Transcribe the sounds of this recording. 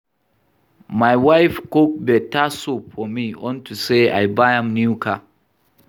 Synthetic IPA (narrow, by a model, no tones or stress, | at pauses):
majwajfkok̚dɛtasupfɔmiɔ̃ntusea̰jbajãmnjukʰa